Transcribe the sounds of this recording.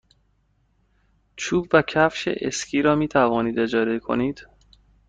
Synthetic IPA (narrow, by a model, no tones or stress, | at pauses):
t͡ʃʰuːbvæcʰæfʃḛʔescʰiːɾɒːmiːt̪ʰævɒːniːd̪e̞d͡ʒɒːɾekʰo̰niːd̪̥